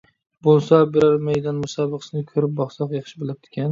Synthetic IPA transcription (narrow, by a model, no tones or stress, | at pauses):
bolˠsabeɾaɾmejd̪ɑnmʊsabɨqsɪnɪkʰɵɾɪp̚bɒχsɒqjɑχʃɪbɪlˠɪp̚t̪ʰɪ̥kʲʰan